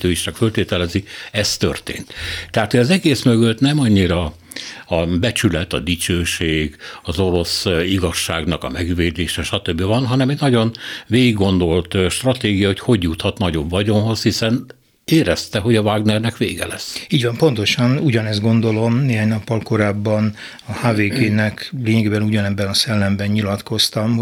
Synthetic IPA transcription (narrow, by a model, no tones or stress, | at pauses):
øːiʃt͡ʃɒkfølt̪eːt̪ɛlɛziɛst̪ø̰rt̪ḛːnt̪t̪ːɛɦaːt̪hojɒzɛɡeːsmøɡøt̪nɛmɒɲːiɾɒ | ɒbɛt͡ʃylɛt̪ɒ̰d̪it͡ʃøːʃeːɡɒzo̞ɾo̞siɡɒʃːaːɡnɒkɒ̰mɛɡveːd̪eːʃɛʃɒt̪øbːivɒnɦɒnɛmɛt̪nɒɟo̞nveːɡiɡːo̞nd̪o̞lt̪ʃt̪rɒt̪eːɡijɒo̞cho̞ɟjut̪hɒt̪nɒɟo̞bvɒɟo̞nɦo̞shisɛn | eːɾɛst̪ɛɦo̞ɟɒvaːɡnɛrnɛkʋḛːɡɛ̰lɛ̰sːiːɟvɒmpo̞nt̪o̞ʃɒnuɟɒnɛszt̪ɡo̞nd̪o̞lo̞mneːɦaːɲnɒpːɒlko̞ɾaːbːɒn | ɒhaːveːɡeːnɛkleːɲɛɡeːbɛnuɟɒnɛbːɛnɒsɛlːɛmbɛɲɲilɒt̪ko̞st̪ɒm